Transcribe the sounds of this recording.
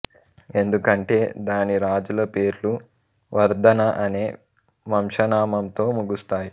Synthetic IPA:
e̞nd̪ukɐɳʈe̞ːd̪aːniɾaːd͡ʒulɐpe̞ːɾlu | ʋɐɾd̪ʱɐnɐʔɐne̞ː | ʋɐmʂɐnaːmɐmt̪o̞ːmuɡust̪aːji

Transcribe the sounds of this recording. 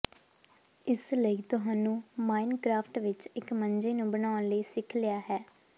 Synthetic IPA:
ɪsləiːt̪ʊɦaːnũːmaːɪnkɾaːpʰʈʋɪt͡ʃɪkməɲd͡ʒeːnũːbənaːʊnləiːsɪkʰlɪjaːɦɛː

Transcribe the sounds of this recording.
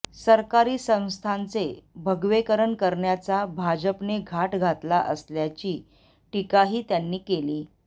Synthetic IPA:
səɾkaɾiːsə̃w̃st̪ʰant͡sebʱəɡʋekəɾəɳkəɾɳjat͡sabʱad͡ʑəpneɡʱaʈɡʱat̪laʔəsljat͡ɕiː | ʈikaɦiːt̪janːiːkeliː

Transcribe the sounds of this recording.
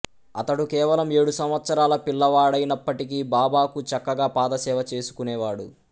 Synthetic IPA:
ɐt̪ɐɽukɛːʋɐlɐme̞ːɽusɐmʋɐt̪sɐɾaːlɐpilːɐʋaːɽɐjinɐpːɐʈikibaːbaːkut͡ʃɐkːɐɡaːpaːd̪ɐsɛːʋɐt͡ʃe̞ːsu̥kunɛːʋaːɽṵ

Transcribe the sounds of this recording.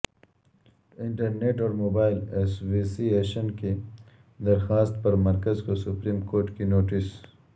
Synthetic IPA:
ɪɳʈɐɾneʈɔːɾmoːbaːɪleswisieʃənke | d̪ɐɾxaːst̪̚pɐɾmɐɾkɐzkosʊpɾiːmkoːɾʈkinoːʈɪs

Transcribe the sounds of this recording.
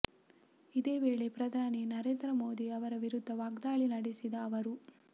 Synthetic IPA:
id̪eːʋeːɭepɾɐd̪ʱaːninɐɾeːnd̪ɾɐmo̞ːd̪iɐʋɐɾɐʋiɾud̪ʱːɐʋaːɡd̪aːɭinɐɽisid̪ɐːʋɐɾu

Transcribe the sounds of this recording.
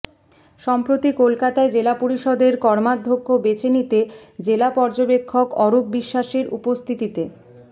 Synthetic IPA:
ʃɔmpɾot̪ikolkat̪aed͡ʑelapoɾiʃɔd̪eɾkɔɾmad̪ʱːokʰːobet͡ɕʰenit̪ed͡ʑelapɔɾd͡ʑobekʰːokɔɾop̚biʃːaʃeɾʔṵpost̪ʰit̪it̪e

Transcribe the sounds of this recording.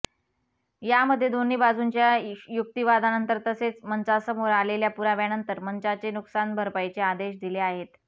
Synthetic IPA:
jaməd̪ʱːjed̪on̤iːbad͡zunt͡ɕjajuk̚t̪iʋad̪ʱanənt̪əɾt̪əset͡smənt͡sasəmoɾaleljapuɾaʋjanənt̪əɾmənt͡sat͡senuksanbʱəɾpajt͡sead̪eɕd̪ileaɦet̪

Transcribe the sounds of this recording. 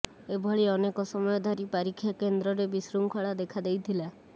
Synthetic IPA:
ebʱɔɭiɔnekɔsɔmɔjɔd̪ʱɔɾipaɾikʰːjakend̪ɾɔɾebisɾuŋkʰɔɭad̪ekʰad̪ejt̪ʰila

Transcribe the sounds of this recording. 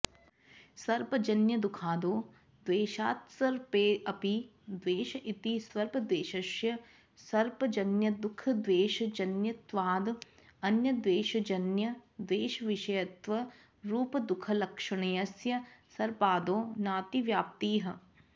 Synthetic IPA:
sɐɾpɐd͡ʒɐnjɐd̪ʊkʰaːd̪oː | d̪ʋeːʃaːt̪sɐɾpeːʔɐpi | d̪ʋeːʃɐʔit̪isʋɐɾpɐd̪ʋeːʃɐʃjɐ | sɐɾpɐd͡ʒɐnjɐd̪ʊkʰɐd̪ʋeːʃɐd͡ʒɐnjɐt̪ʋaːd̪ɐnjɐd̪ʋeːʃɐd͡ʒɐnjɐd̪ʋeːʃɐʋɪʃɐjɐt̪ʋɐ | ɾuːpɐd̪ʊkʰɐlɐkʃɐɳ̃ejɐsjɐsɐɾpaːd̪oːnaːt̪iʋjaːp̚t̪iːɦɐ̆

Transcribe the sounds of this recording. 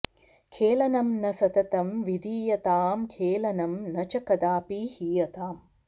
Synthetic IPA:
kʰeːlɐnɐmnɐsɐt̪ɐt̪ɐmʋid̪ʱiːjɐt̪aːmkʰeːlɐnɐmnɐt͡ʃɐkɐd̪aːpiːhiːjɐt̪aːm

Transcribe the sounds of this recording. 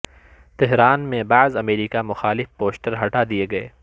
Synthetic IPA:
t̪ɛɦɾaːnmẽbaːzɐmeːɾiːkamʊxaːlɪfpoːsʈəɾɦɐʈad̪ieɡɐeː

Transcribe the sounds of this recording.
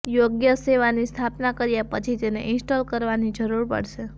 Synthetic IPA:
joɡjəseʋanist̪ʰapnakəɾjapət͡ʃʰit̪eneʔɪnsʈolkəɾʋanid͡ʒəɾuɾpə̰ɽʃe

